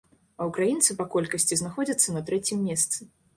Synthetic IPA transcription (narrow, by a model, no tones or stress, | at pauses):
ɐwkɾajint̪sɨpɐkɔlʲkɐsʲt͡sʲiznaxɔd͡zʲɐt̪sːɐnɐt̪ɾɛt͡sʲimːʲɛst̪sɨ